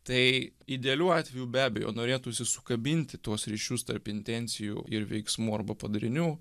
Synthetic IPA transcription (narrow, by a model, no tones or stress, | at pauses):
t̪ɐɪɪd̪ʲɛɐlʲuːɑːt̪ʲʋʲɛjuːbʲæːbʲɛjo̰ːnoːɾʲeːt̪uːsʲɪsʊkɐbʲɪnʲt̪ʲɪt̪uɔsɾʲiːʃʲʊst̪ɐ̰rpɪnʲt̪ʲɛnʲsʲɪjṵːɪɾʋʲɛ̰ɪksmuːɐɾbɐpɐd̪ɐɾʲɪnʲuː